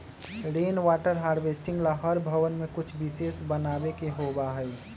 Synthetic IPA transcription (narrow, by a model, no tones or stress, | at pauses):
ɾeːnwaːʈəɾɦaːɾbesʈɪ̃ŋɡlaɦəɾbʱəʋənmẽkʊt͡ʃʰbisesbənaːbekeɦobaɦəj